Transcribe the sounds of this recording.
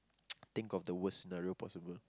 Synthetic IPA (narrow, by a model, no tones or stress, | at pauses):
t̪ɪ̃ŋkɔfd̪əwəssinaɹiopʰɔ̰sibəl